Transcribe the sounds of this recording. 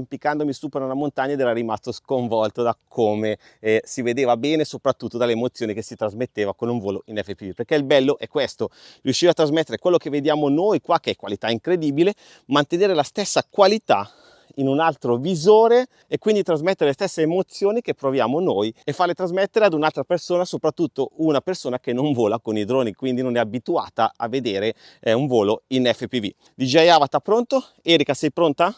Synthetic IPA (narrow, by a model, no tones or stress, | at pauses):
mpikːand̪omist̪uːponanamont̪aɲːaed̪ɛːɾaɾimast̪oskoɱvɔlt̪od̪akʰoːme | ɛsived̪eːvabɛːnesopɾat̪ːut̪ːod̪alːeːmot̪sjoːnikesit̪ɾazmet̪ːeːvakonuɱvoːloinɛfːepid̪iperkeilbɛlːoʔɛkːwest̪oriuʃːivat̪ːɾazmet̪ːeɾekwelːokevːed̪jaːmonojkwakːeɛkːwalit̪aiŋkɾed̪iːbile | mant̪eneːɾelast̪esːakwalit̪a̰ | inunalt̪ɾovizoːɾe | ekːwind̪it̪ɾazmet̪ːeɾelest̪esːeːmot̪sːjoːnik̟epːɾovjaːmonojefːaɾlet̪ɾazmet̪ːeɾead̪unalt̪ɾapersoːnasopɾat̪ːut̪ːounapersoːnak̟enoɱvoːlakonid̪ɾoːnikwind̪inonɛabit̪ua̰ːt̪aavːed̪eːɾe | ɛuɱvoːloinɛfːepivḭ | d̪id͡ʒajaːvat̪apːɾont̪o | ɛːɾikasɛjpɾont̪a